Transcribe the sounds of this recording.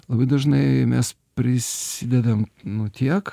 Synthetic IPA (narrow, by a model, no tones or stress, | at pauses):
lˠɐbɐɪd̪ɐʒnɐɪmʲɛs | pʲɾʲɪsʲɪd̪ʲɛd̪ɐmnʊt̪ʲiɛk